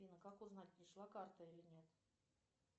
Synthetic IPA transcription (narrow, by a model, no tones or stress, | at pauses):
inəkakʊznat̚ʲnʲɪʂlˠakart̪əilʲɪnʲet̪